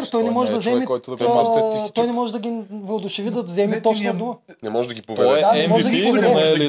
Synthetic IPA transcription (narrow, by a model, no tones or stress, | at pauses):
ɾt̪ɔjnɛmɔʒɛd̪ɐzɛmiɔj̪ɐat̪ɔjnɛmɔʒɛd̪ɐɡʲivod̪ʊʃɛvid̪ɐzɛmit̪ot͡ʃnod̪umə | nɛmɔʒd̪ɐɡʲipovɛɛd̪aɛmɔʒɛd̪ɐɡipovɛd̪ɛ